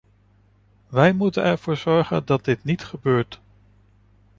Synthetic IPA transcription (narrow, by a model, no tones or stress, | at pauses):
ʋɛjmutənɛɹv̥ʊːɹz̥ɔɹχə̰ndɑt̚dɪtnitχəbøːɹt